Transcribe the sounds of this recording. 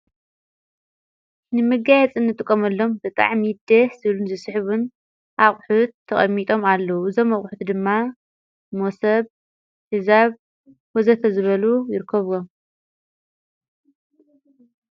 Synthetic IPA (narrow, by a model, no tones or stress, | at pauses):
nɨmɨɡajɛt͡sʼɨnːɨt̪ʼɨkʼːomɐlːo̞mbɨt̪ʼa̰ʕmid̪ɐzɨlunzɨsħβun | ʔaχʼħut̪ʰːɐχʼɐmːit̪ʼo̞malːɐwuɨzomːɐχʼħut̪d̪ɨmːa | mosɐβ | hɨzaβ | wɔzɐt̪ʰɐzɨβɐlujɪɾɨkʰːɐβom